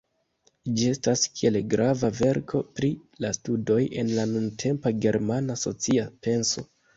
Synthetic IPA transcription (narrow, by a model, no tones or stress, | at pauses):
d͡ʒie̞staskie̞lɡɾʔavave̞ɾkʰo̞pɾilastudo̞je̞nlanuntʰe̞mpaɡe̞ɾmanaso̞̰t͡siape̞nso̞̰